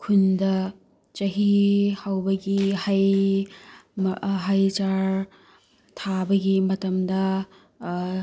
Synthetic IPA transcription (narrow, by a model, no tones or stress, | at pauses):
kʰundɐ | t͡ʃɐɦihawbɐɡihaj | mɦajt͡ʃaɾ | tʰabɐɡimɐtɐmdɐ